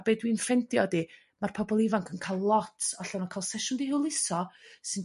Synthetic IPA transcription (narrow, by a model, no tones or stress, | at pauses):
b̥eːdwiːnfɛntjɔdi | marpʰɔbɔlˠɪvaŋkʰənkʰalˠlˠɔtʰɔɬɔnɔkʰalˠsɛʃʊndihɪwlˠɪsɔsɨn